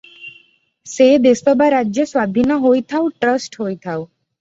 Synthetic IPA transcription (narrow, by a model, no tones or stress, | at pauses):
sed̪espɔbaɾadːʑeswad̪ʱinoɦojt̪ʰawʈɾəsʈɦojt̪ʰaw